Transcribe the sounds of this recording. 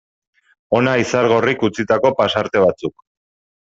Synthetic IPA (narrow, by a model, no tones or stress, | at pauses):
o̞naisaɾɣ̞o̞rikut͡sit̪ako̞pasaɾt̪e̞β̞at͡suk